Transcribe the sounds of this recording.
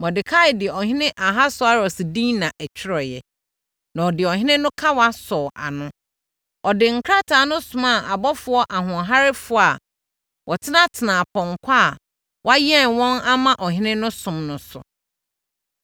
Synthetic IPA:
mɔ̃˨dɪ˨kʰa˦ɪ˨dɪ˨ɛ˨ɔ˨ɦɪ̃˦nɪ̃˦ʔa˨ɦa˦sʊ˨˦a˨ɾɔ˨sɪ˨dĩ˦nã˨ʔæ˨t͡ɕʰᶣɪ˦ɾɔ˨jɛ̰˨ | nã˨ɔ˨dɪ˨ɔ˨hɪ̃˦nɪ̃˦nʊ̃˦kʰa˦wa˦sɔː˨ʔa̰˨nʊ̃˦ | ɔ˨dɪ˨ŋ̩˨kʰɾa˦tʰa˨˦nʊ̃˦sʊ̃˨ma˦˨a˨bɔ˦fʊ˨ɔ˦ʔa˨ɦʊ̃˨ɦa˦ɾɪ˦fʊ˦a˨ | wʔɔ˨tʰɪ˦nã˦tʰɪ˨nã˨pʰɔ̃˨ŋ̩˨kʷʰa˦˨ | wa˦jɛ˦˨nwɔ̃˦na˦mã˦ʔɔ˨ɦɪ̃˦nɪ̃˦nʊ̃˦sʊ̃˨mnʊ̃˨sʊ̰˨

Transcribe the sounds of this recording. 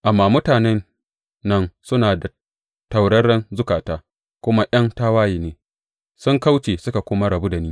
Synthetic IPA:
ʔa˨mːaː˨mʊ˦taː˨nɛ˦nː | ɐ˦nsʊ˦naː˨da˨ | ta˨wɽɐ˦ɽɐ˦nzʊ˦kaː˨taː˦ | kʷʊ˦ma˦ʔɐ˦nta˦waː˦jiː˨neː˨ | sʊ˦ŋka˦wt͡ʃeː˨sʊ˦ka˨kʷʊ˦ma˦ɽɐ˨bu˦da˨niː˦

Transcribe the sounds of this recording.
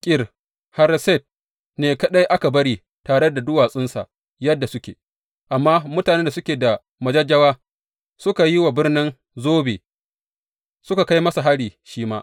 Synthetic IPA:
kʲʼɪ˦r | ha˦ɾsɛ˦˨t̚ | neː˨kɐ˦ɗa˦jʔa˦ka˨bɐ˦ɽiː˦ | taː˨ɽe˦da˨dʊ˦waː˨sʼɪ˦nsa̰˨ʔ | jɐ˦dːa˨sʊ˦kʲḛ˨ | ʔa˨mːaː˦mʊ˦taː˨neː˦nda˨sʊ˦kʲeː˨da˨ | mɐ˨d͡ʒɐ˦d͡ʒɐ˦waː˦ | sʊ˦ka˨ji˦wa˨bɪ˦rnɪ˦n | zoː˦beː˨ | sʊ˦ka˨ka˦jmɐ˦sa˨ɦa˦ɽiː˨ʃiː˦maː˦ʔ

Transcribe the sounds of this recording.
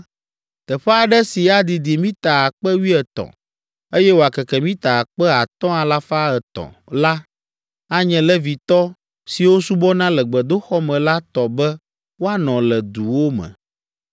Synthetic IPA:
t̪ɛ˨ɸɛ˦a˨ɖɛ˦si˨a˨d̪i˨d̪i˨mĩ˦t̪a˨a˨k͡pɛ˦wi˦ɛ˨t̪ɔ̰̃˨ | e˦jɛ˦wo˨a˨kɛ˨kɛ˨mĩ˦t̪a˨a˨k͡pɛ˦a˨t̪ɔ̃˦a˨la˦fa˦ɛ˨t̪ɔ̰̃˨ | la˦ | a˦ɲɛ̃˨lɛ˦vi˨t̪ɔ˦ | si˨wo˦su˦bɔ˦nã˦lɛ˨ɡ͡bɛ˨d̪o˦xɔ˦mɛ̃˨la˦t̪ɔ˨bɛ˦ | wo˦a˨nɔ̃˨lɛ˨d̪u˨wo˦mɛ̰̃˨

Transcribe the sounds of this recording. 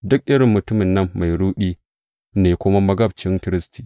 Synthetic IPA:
dʊ˦k̚ʔɪ˦ɽɪ˨mːʊ˨tʊ˦mɪ˨nːɐ˦mːa˨jɽuː˦ɗiː˦ | neː˨kʷʊ˦ma˦mɐ˦ɡɐ˦b̚t͡ʃɪ˦ŋkɪ˦ɾɪ˦sti̥ː˨

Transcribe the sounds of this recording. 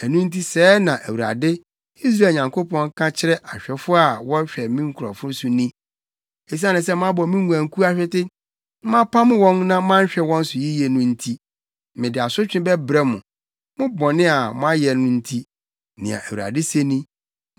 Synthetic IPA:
æ˨nũ˦n̩˦tʰi˦sɛː˦nã˨ʔæ˨wu˨ɾa̰˨dɪ˦ | i˦s̬ɾaː˦˨ɲã˨ŋkʰo˦pʰɔ̃˦ŋkʰã˦t͡ɕʰɪ˦ɾɛ˦ʔa˨ɕᶣɛ˨fʊ˦a˨wɔ˦ɕᶣɛ˨mĩ˦ŋ̩˦kʰu˨ɾɔ̰˨fʊ̃˦sʊ˦nĩ˦ | e˨s̬i˦a˦nɪ̃˨s̬ɛ˦m˦ã˦bɔ˨˦mĩ˦ŋu˨ã˨ŋ˨kʰu˦a˦ɕᶣɛ˦tɪ˦ | mã˦pʰa˦m̃˦wɔ̃˦nnã˦mã˦ɕᶣɛ˨wɔ̃˦n̩˦sʊ˨ji˦jɛ˨nʊ̃˦n̩˦tʰi˦ | mɪ̃˨dɪ˨a˨sʊ˦t͡ɕᶣɪ̃˦bɛ˦bɾɛ˦mʊ̃˨ | mʊ̃˦bɔ̃˨nɪ̃˦a˨mʊ̃˦a˦jɛ˨nʊ̃˦n̩˦tʰi˦ | nɪ̰̃˨ã̰˨ʔæ˨wu˨a̰˨dɪ˦se˦nĩ˦

